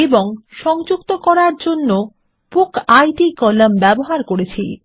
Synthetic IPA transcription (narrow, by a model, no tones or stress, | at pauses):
eboŋʃɔŋd͡ʑukt̪okɔɾaɾd͡ʑonːo | pukajʈikɔlambɛboɦaɾkoɾet͡ɕʰḭ